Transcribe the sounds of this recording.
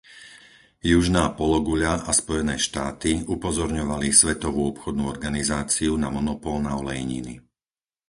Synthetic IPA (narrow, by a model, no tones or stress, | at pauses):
juʒnaːpɔlɔɡuʎaʔaspɔjɛnɛːʃt̪aːt̪iupɔzɔɾɲɔʋalisʋɛt̪ɔʋuːɔpxɔd̪nuːɔɾɡanizaːt͡siunamɔnɔpɔlnaɔlɛjiɲḭni